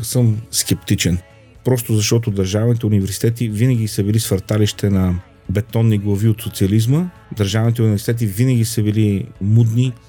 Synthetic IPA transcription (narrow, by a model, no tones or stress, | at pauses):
səmskɛpt̪it͡ʃɛn | pɾɔst̪ozɐʃt̪ɔt̪od̪əɾʒavnit̪ɛunivɛɾsi̥t̪ɛt̪ivinəɡisəbilisfɐɾt̪aliʃt̪ɛnɐ | bɛt̪ɔnːiɡlˠɐviot̪sot̪siɐlizmə | d̪əɾʒavnit̪ɛunivɛɾsi̥t̪ɛt̪̬ivinəɡ̟isəbilimud̪ni